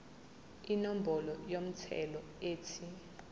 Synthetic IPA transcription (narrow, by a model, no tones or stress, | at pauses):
inom̩bɔlɔjom̩tʰɛ̰lɔ | eːtʰi